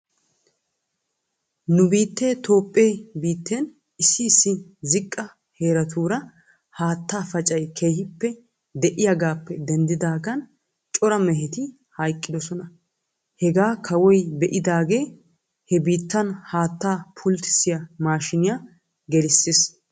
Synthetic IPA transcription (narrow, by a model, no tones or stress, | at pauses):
nʊbiːt̪ːeːt̪o̞ːpʼːejbiːt̪ːeːn | ɪsːɪːsːɪzɪkʼːɐ | heːɾɐt̪ʰuːɾɐ | haːt̪ːaːfɐt͡ʃʼɐjkʰeːhɪpːɛ | d̪ɛʔɪjɐɡaːpːɛd̪ɛnd̪ɪd̪aːɡɐn | t͡ʃʼɔɾɐmɛɦɛt̪ɪ | hɐjkʼːɪd̪ɔsɔnɐ | hɛɡaːkʰɐwɔjbɛʔɪd̪aːɡe̞ː | hɛbiːt̪ːɐnhaːt̪ːaːpʰʊlt̪ɪ̥sɪjɐmaːʃɪnɪja | ɡɛlɪsːes